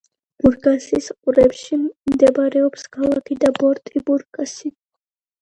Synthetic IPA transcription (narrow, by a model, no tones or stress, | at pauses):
b̥uɾɡʼasisqʼuɾɛpʃimd̪ɛbaɾɛɔpskʰalˠakʰid̪abɔɾt̪ʼibuɾkʼasi